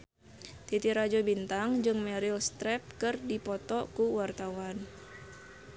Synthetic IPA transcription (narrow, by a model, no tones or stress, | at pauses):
t̪it̪iɾad͡ʒɔbint̪aŋd͡ʒɨŋmɛɾilst̪ɾɛp̚kɨrdipɔt̪ɔkuwart̪awan